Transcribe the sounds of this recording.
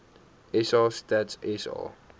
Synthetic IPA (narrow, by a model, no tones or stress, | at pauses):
ɛsɑstatɛsɑ̰